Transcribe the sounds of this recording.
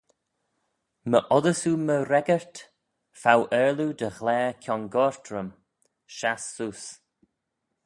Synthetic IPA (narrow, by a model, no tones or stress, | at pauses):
məʔɔðəsuməɾɛɡəɹt̪ | fawʔɛːɹlud̪əɣlɛːkʰjɔnɡɔɹt̪ʰɾəm | ʃasːus